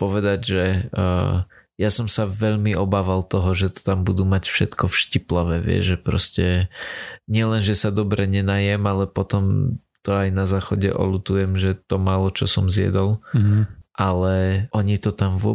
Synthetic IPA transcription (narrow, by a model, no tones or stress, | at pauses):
pɔʋɛd̪aɟʒɛː | jasɔmsaʋɛʎmiʔɔbaːʋalˠt̪ɔɦɔʒɛt̪ɔ̥t̪ambud̪umacfʃɛt̪kɔfʃciplaʋɛʋɪɛ̰ʒʒɛpɾɔ̰scɛ | ɲɪɛlɛnʒɛsad̪ɔbɾɛɲɛnaːjɛmalɛpɔt̪ɔm | t̪ɔajnazaːxɔɟɛ̰ʔɔ̰lut̪ujɛmʒɛt̪ɔmaːlɔt͡ʃɔsɔmzjɛ̰d̪ɔlˠ | ʔalɛʔɔɲit̪ɔt̪amʋʊɔ